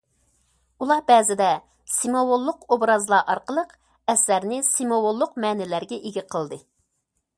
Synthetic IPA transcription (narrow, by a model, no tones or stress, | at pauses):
ulˠɑbɛzɪd̪ɛ | simowolˠːʊqobɾɑzlˠɑɾʔɑɾqəlˠəq | ɛslæɾnɪsimowolˠːʊqmɛːnɪlæɾɡʲɛʔeɡʲiqʰəlˠd̪ɨ